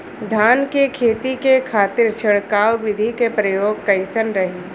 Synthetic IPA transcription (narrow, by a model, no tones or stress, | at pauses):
d̪ʱaːnkekʰeːt̪ikekʰaːt̪ɪɾt͡ʃʰɐɽkaːwʋɪd̪ʱikepɾɐjoːɡ̚kɐɪsənɾɐɦi